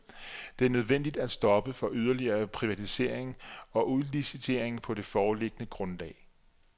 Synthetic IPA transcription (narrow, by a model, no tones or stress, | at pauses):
d̥e̝æɐnøð̞ˠʋen̰d̥id̥æ̥sd̥ɒ̽b̥əfɒ̽ʔyð̞ˠɐliɐːpʰʁiʋæt͡sʰise̝̰ɐ̰e̝ŋɒ̽ʔuðˠlisit͡sʰe̝ɐ̰e̝ŋpʰɒ̽de̝fɒːle̝ɡ̥ənəɡ̥ʁɔ̽nlɛ̰ːɪ